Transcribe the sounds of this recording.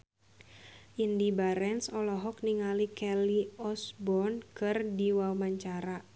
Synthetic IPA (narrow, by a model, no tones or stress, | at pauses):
ʔindibaɾɛnsɔlɔɦɔk̚niŋalikɛliɔsbɔnkɨrdiwamaɲt͡ʃaɾa